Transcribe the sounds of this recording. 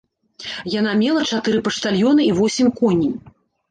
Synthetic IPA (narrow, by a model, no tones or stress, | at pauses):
janamʲɛlˠɐt͡ʂat̪ɨɾɨpɐʂt̪alʲjɔnɨivɔsʲimʲkɔnʲij